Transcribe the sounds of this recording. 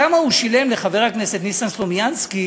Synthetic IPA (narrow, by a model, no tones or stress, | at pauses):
amauʃile̞mleχave̞ʁhakne̞se̞t̪nisanslomjanski